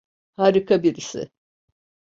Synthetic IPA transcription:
haɾikʰabiɾisɪ̰

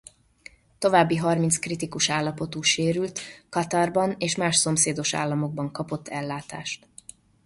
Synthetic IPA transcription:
t̪o̞vaːbːiɦɒrmint̪skrit̪ikuʃaːlːɒpo̞t̪uːʃeːɾylt̪kɒt̪ɒrbɒneːʃmaːʃso̞mseːd̪o̞ʃa̰ːlːɒmo̞ɡ̚bɒŋkɒpo̞t̪ʰːɛlːaːt̪aːʃt̪

